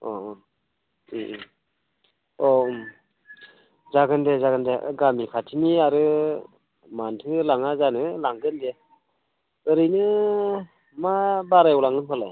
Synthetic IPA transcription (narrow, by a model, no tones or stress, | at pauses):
ɔ | i | ɔ | zaɡɯndezaɡɯndḛɡamikʰatʰiniaɾɯ | mantʰɯlaŋazanɯlaŋɡɯnde | ɯɾɯjnɯ | mabaɾajwlaŋɯnpʰalaj